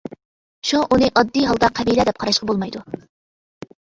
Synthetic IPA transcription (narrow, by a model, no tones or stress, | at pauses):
ʃuʔunɨʔɑd̪ːijɦɑlˠd̪ɑqʰæbilɛd̪ɛp̚qʰɑɾɑʃqɑbolˠmɑjd̪u